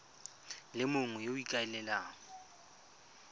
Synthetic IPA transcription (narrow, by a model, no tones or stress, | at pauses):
lɪmʊŋʊjoikʼaɛlɛlaːŋɔ